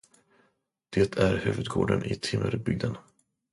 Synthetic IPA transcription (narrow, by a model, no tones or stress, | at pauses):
d̪̥eːt̪ʰæɾhʉ̟ːvɵd̪ɡoːɖənʔɪt̪ʰɪməɾbʏɡ̚d̪ən